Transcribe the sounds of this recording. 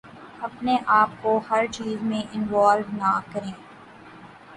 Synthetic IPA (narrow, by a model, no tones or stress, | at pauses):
ɐpneʔaːp̚kohɐɾt͡ʃiːzmẽʔɪnʋaːlʋnakɐɾẽː